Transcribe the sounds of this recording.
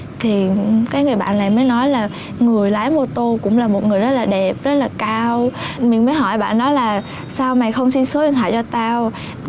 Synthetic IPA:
t̪ʰi˨˩kaː˨˦jŋɨ˨˩əjɓa̰ː˧˨nla̰ː˧˨jməː˨˦jnɔ˨˦jlaː˨˩ | ŋɨ˨˩əjlaː˨˦jmo˧t̪o˧kʊ̰˧˥ŋ͡mlaː˨˩mo˨˩t̚ŋɨ˨˩əjzə˦˥t̚laː˨˩ɗɛ˨˩p̚zə˦˥t̚laː˨˩kaː˧wmï˨˩ŋməː˨˦jɦɔ˧˩jɓa̰ː˧˨nːɔ˨˦jlaː˨˩ | saː˧wma˨˩jxə˧wŋ͡msi˧nso˨˦wnt̪ʰa̰ː˧˨t͡ɕɔ˧t̪aː˧w

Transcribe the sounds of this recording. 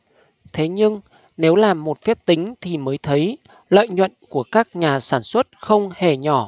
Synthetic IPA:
t̪ʰe˨˦ɲɨ˧ŋ | ne˨˦wlaː˨˩mːo˨˩t̚fɛ˦˥p̚t̪ï˨˦ŋ̟t̪ʰi˨˩məː˨˦jt̪ʰə˨˦j | lə̰ː˧˨jɲwə̰˧˨nku˧˩əkaː˦˥k̚ɲaː˨˩saː˧˩nswə˦˥t̚xə˧wŋ͡mhe˧˩ɲɔ˧˩

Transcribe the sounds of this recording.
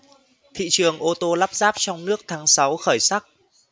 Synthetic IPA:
t̪ʰḭ˧˨t͡ɕɨ˨˩əŋʔo˧t̪o˧la˦˥p̚zaː˦˥p̚t͡ɕɔ˧wŋ͡mnɨ˦˥ək̚t̪ʰaː˨˦ŋsa˨˦wxəː˧˩jsa˦˥k̚

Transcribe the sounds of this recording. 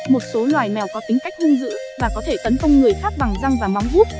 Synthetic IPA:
mo˨˩t̚so˨˦lwaː˨˩jmɛ˨˩wkɔ˨˦t̪ï˨˦ŋ̟ka˦˥jk̚ʔɨ˧ŋzɨ̰˧˥vaː˨˩kɔ˨˦t̪ʰe˧˩t̪ə˨˦nk̪ə˧wŋ͡mŋɨ˨˩əjxaː˦˥p̚ɓa˨˩ŋza˧ŋvaː˨˩ma˨˦wŋ͡mzu˦˥t̚

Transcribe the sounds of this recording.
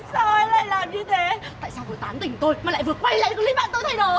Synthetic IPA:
so˨˧˩jla̰ː˧˨laː˨˩mɲɨ˧t̪ʰe˨˦t̪a̰ː˧˨jsaː˧wvəː˨˦jt̪aː˨˦mt̪ï˨˩ŋ̟t̪o˧jma˨˩l̰ːvɨ˨˩əwa˧jla̰ː˧˨jɗɨ˨˩˦li˧ɓa̰ː˧˨t̪o˧jt̪ʰa˧jɗo˨˩

